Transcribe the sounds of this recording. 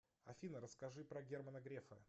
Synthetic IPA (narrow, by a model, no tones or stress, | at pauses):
ɐfʲinəɾəskɐʐɨpɾɐɡʲermənəɡɾʲefə